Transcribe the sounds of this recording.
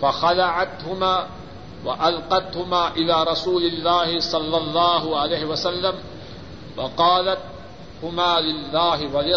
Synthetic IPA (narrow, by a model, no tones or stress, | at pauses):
faxalaʕat̪hʊmaː | waʔalqɑt̪hʊmaːʔɪlaːɾˤɑsuːlɪlːaːhɪsˤɑlːɑlˤːɑːɦʊʕalajːhɪwasalːam | wɑqɑːlat̪̚ | hʊmaːlɪlːaːɦɪwalɪ